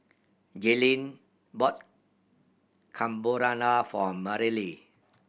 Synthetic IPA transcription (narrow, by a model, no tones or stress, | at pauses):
d͡ʒelĩn | bɔt̚ | kʰãmboɾanafɔmaɾili